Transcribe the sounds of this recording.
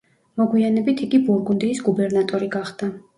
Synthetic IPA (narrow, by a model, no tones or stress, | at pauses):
mɔɡwianɛbit̪ʰiɡibuɾɡund̪iːsɡubɛɾnat̪ʼɔɾiɡaχd̪̥a